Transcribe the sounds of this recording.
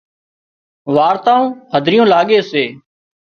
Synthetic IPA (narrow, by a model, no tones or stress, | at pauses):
ʋaːɾt̪aːõːhəd̪ʱɾɪjõːlaːɠeːseː